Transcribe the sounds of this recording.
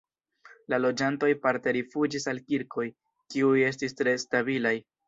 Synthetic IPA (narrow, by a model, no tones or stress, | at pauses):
lalo̞d͡ʒanto̞jpaɾte̞ɾifud͡ʒisalkiɾkʰo̞j | kiuje̞s̬tistɾe̞stabilaj